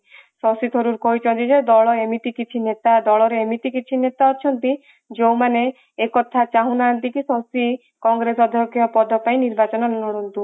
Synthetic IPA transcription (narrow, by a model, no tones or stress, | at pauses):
sɔsit̪ʰɔɾuɾkɔɦit͡ʃʰɔnt̪id͡ʒed̪ɔɭɔemit̪ikit͡ʃʰinet̪ad̪ɔɭɔɾeemit̪ikit͡ʃʰinet̪aɔt͡ʃʰɔnt̪i | d͡ʒewmane | ekɔt̪ʰat͡ʃaɦũnaːnt̪ikisɔsi | kɔŋɡɾesɔd̪ʱjɔkʰjɔpɔd̪ʱɔpaĩniɾbat͡ʃɔnɔnɔɽɔnt̪u